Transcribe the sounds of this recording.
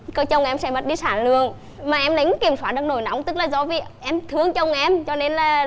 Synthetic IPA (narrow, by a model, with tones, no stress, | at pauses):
kə˨˧˦t͡ɕə˧˩wŋ͡mʔɛ˧msɛ̰˧˩mə˨˩t̚ɗi˧saː˧˩nlɨ̰˧˨əŋ | maː˨˩ʔɛ˧mɗa˨˦jŋki˨˩əmswaː˧˩ɨ˨˩ək̚no˧˩jna̰˨˧˦wŋ͡mt̪ɨ˦˥k̚laː˨˩zɔ˧˦vi˨˩ʔɛ˧mt̪ʰɨ˨˧əŋt͡ɕə˧˩wŋ͡mʔɛ˧mt͡ɕɔ˧ne˧nlaː˨˩